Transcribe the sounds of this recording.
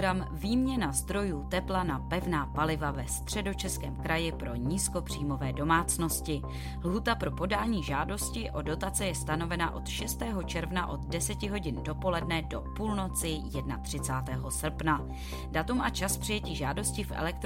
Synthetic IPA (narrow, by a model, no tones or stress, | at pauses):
ɾamviːmɲɛnazd̪ɾo̞juːt̪ɛplanapɛvnaːpalɪvavɛst̪r̝̥ɛdo̞t͡ʃɛskɛ̰ːmkɾajɪpɾo̞ɲiːsko̞pr̝̥iːmo̞vɛːdo̞maːt͡sno̞scɪ | lɦut̪apɾo̞po̞daːɲiːʒaːdo̞scɪʔo̞do̞t̪at͡sɛjɛst̪ano̞vɛnaʔo̞t̪ʃɛst̪ɛːɦo̞t͡ʃɛɾvnaʔo̞t̪dɛsɛcɪɦo̞ɟɪndo̞po̞lɛdnɛdo̞puːlno̞t͡sɪjɛdnat̪r̝̥ɪt͡saːt̪ɛːɦo̞sr̩pna | dat̪umʔat͡ʃaspr̥ɪjɛciːʒaːdo̞scɪfʔɛ̰lɛk̚t̪